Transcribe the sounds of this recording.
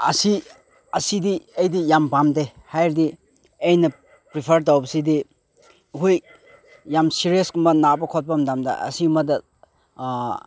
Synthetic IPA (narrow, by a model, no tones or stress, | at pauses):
ɐ̰si | ɐsidiejdijampamdehajɾdi | ejnɐ | pɾipʰɐɾt̬awbɐsidi | ɦuj | jamsiɾieskumbɐnabɐkʰɔt̚pamdamdɐ̰ʔɐ̰simɐdɐ